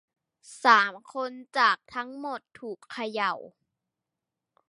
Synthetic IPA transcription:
saː˩˦mkʰo˧nt͡ɕaː˨˩k̚t̪ʰa˦˥ŋmo˨˩t̪ʰːuː˨˩kʰːa˧ja˨˩w

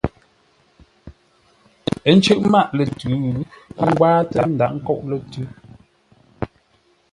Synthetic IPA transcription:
ɛ˨˦n̩˦t͡ʃə˦ʔma˦ʔlɛ˨tʉ˨˦ɣŋ̩˦ɡwaː˦təa˦˨n̩˨da˨ʔŋ̩˦kɔ˦˨ʔlɛ˦˨tʉ˦

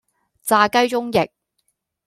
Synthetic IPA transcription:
t͡saː˧kɐ˥jt͡sʊ˥ŋjɪ˨k̚

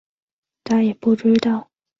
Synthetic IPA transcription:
t̪ʰa˥jɛ˨˩pu˥˩ʈ͡ʂ̩˥t̪ɑ˥˩ʊ

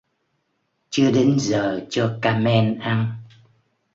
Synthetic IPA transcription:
t͡ɕɨ˧əɗe˨˦nzəː˨˩t͡ɕɔ˧kaː˧mɛ˧nʔa˧n

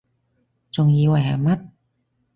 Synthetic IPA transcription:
t͡ɕo˧ŋjiː˧wa˨˩ja̰˨˩ma˦˥t̪̚

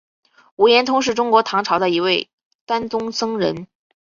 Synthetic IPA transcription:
u˧˥jɛ˧˥nt̪ʰʊ˥ŋʂ̬ɻ̩˥˩ʈ͡ʂʊ˥ŋkwɔ˧˥t̪ʰɑ˧˥ŋʈ͡ʂʰɑ˧˥ʊd̪ə˧i˧˥we˥˩ɪ | t̪a˥nt͡sʊ˥ŋsɤ˥ŋɻə˧˥n

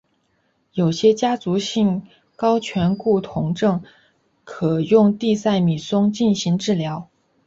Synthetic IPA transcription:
jo˨˩ʊɕjɛ˥t͡ɕja˥t͡su˧˥ɕi˥˩ŋ | kɑ˥ʊt͡ɕʰɥɛ˧˥nku˥˩t̪ʰʊ˧˥ŋʈ͡ʂɤ˥˩ŋ | kʰɤ˨˩jʊ˥˧ŋt̪i˥˧sa˥˩ɪmi˨˩sʊ˥ŋt͡ɕi˥˩nɕi˧˥ŋʈ͡ʂɻ̩˥˩ljɑ˧˥ʊ

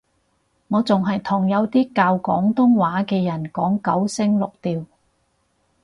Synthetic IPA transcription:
ŋɔː˨˧t͡sʊ˨ŋɦɐ˨jt̪ʰʊ˨˩ŋjɐ˨˧wt̪iː˥kaː˧wkɔ̰ː˨˥ŋt̪ʊ˥ŋwaː˨˥kɛː˧jɐ˨˩nkɔː˨˥ŋkɐ˨˥wsɪ˥ŋlʊ˨k̚t̪iː˨w

